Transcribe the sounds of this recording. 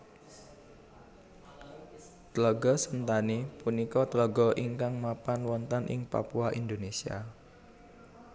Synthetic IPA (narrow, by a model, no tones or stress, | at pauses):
t̪lɔɡɔsənt̪anipunikɔt̪lɔɡɔʔiŋkaŋmapanwɔnt̪ənʔɪ̰ŋpa̰puaʔind̪onesia̰